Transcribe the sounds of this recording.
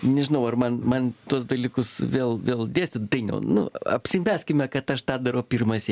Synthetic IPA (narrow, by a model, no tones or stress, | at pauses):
nʲɛʒʲɪnɐʊɐrmɐnmɐnt̪uɔsd̪ɐlʲiːkʊsʋʲeːlˠʋʲeːlˠd̪ʲeːsʲt̪ʲɪt̪ɐɪnʲɛ̰ʊnʊ̰ɐ̰pʲsʲɪmʲæːsʲkʲɪmʲɛkɐt̪ɐʃt̪ɑːd̪ɐɾoːpʲirmɐsʲɪ